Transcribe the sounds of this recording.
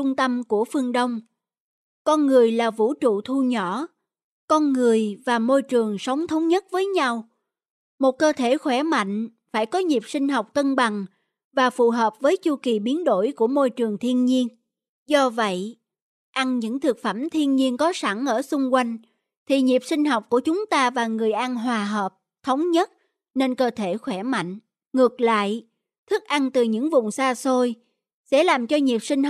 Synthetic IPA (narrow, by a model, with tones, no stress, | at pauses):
ʊ˧ŋ͡mt̪ə˧mku˧˩əfɨ˧əŋɗə˧wŋ͡m | kɔ˧nŋɨ˨˩əjlaː˨˩vṵ˧˥t͡ɕṵ˧˨t̪ʰu˧ɲɔ˧˩˨ | kɔ˧nŋɨ˨˩əjvaː˨˩mo˧jt͡ɕɨ˨˩əŋsə˨˦wŋ͡mt̪ʰə˨˦wŋ͡mɲə˦˥t̚vəː˨˦jɲa˧w | mo˨˩t̚kəː˧t̪ʰe˧˩xwɛ˧˩ma̰˧˨jŋ̟ | faː˧˩jkɔ˨˦ɲi˨˩p̚sï˧ŋ̟ɦa˨˩wk͡p̚t̪ə˧nɓa˨˩ŋ | vaː˨˩fṵ˨˩ɦəː˨˩p̚vəː˨˦jt͡ɕu˧ki˨˩ɓi˨˦ənɗo̰˧˥˩jku˧˩əmo˧jt͡ɕɨ˨˩əŋt̪ʰi˧ənɲi˧ən | zɔ˧və̰˧˨j | ʔa˧nɲɨ̰˧˥ŋt̪ʰɨ˨˩k̚fə˧˩mt̪ʰi˧ənɲi˧ənkɔ˨˦sa˧˩ŋʔəː˧˩sʊ˧ŋ͡mkwa˧jŋ̟ | t̪ʰi˨˩ɲi˨˩p̚sï˧ŋ̟ɦa˨˩wk͡p̚ku˧˩ət͡ɕʊ˨˦ŋ͡mt̪aː˧vaː˨˩ŋɨ˨˩əjʔa˧nɦwaː˨˩ɦəː˨˩p̚ | t̪ʰə˨˦wŋ͡mɲə˦˥t̚ | ne˧nkəː˧t̪ʰe˧˩xwɛ˧˩ma̰˧˨jŋ̟ | ŋɨ˨˩ək̚la̰ː˧˨j | t̪ʰɨ˦˥k̚ʔa˧nt̪ɨ˨˩ɲɨ̰˧˥ŋvʊ˨˩ŋ͡msaː˧so˧j | sɛ̰˧˥laː˨˩mt͡ɕɔ˧ɲi˨˩əp̚sï˧ŋ̟